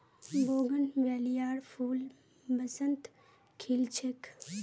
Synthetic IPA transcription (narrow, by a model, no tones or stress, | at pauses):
boːɡənʋɛːlijaːɾpʰuːl | bɐsənt̪ | kʰilt͡ʃʰek